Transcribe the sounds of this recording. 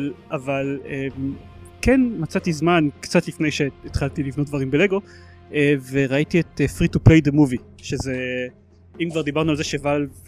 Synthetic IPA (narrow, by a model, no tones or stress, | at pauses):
lavalemkenmat͡sat̪izmankt͡sat̪lifnejʃeːt̪χaltilivnot̚d̪vaʁimbele̞ɡo̞ | eveʁaitietefʁituplejd̪emuvi | ʃeze | imkvaʁd̪ibaʁnualzeʃeval